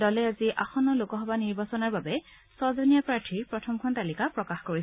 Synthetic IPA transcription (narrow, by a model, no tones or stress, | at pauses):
dɔlɛaziʔaxɔnɔlokɔɦɔbaniɹbasɔnaɹbabɛ | sɔzɔnijapɹaɹtʰiɹpɹɔtʰɔmkʰɔntalikapɹɔkaxkoɹisɛ